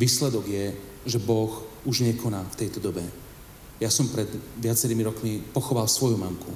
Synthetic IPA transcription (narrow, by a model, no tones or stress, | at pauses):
ʋiːslɛd̪ɔɡjɛ | ʒɛbɔxuʒɲɛkʰɔnaːft̪ɛjt̪ɔd̪ɔbɛ | jasɔmpɾɛd̪ʋɪat͡sɛɾiːmiɾɔkmipɔxɔʋalsʋɔjumamkʰṵ